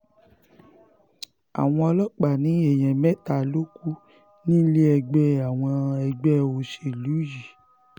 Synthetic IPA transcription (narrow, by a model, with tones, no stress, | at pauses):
a̰˨w̃ɔ̃˧ɔ˧lɔ˦k͡pa˨nĩ˨˦e˦˨j̃ɛ̃˨mɛ˦ta˧˨lo˦ku˦ | nĩ˦le˦ɛ˧ɡ͡bɛ˦a˨w̃ɔ̃˧ɛ˧ɡ͡bɛ˦o˧˨ʃe˨lu˨˦ji˨